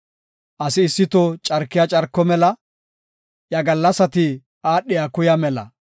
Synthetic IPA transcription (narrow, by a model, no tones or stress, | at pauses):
ʔɐsɪːsːɪt̪ɔt͡ʃʼɐɾkːɪjat͡ʃʼɐɾkːɔmɛlɐ | jɐɡɐlːɐsɐt̪ɪ | ʔaːɗːɪjakʊjɐmɛlɐ̰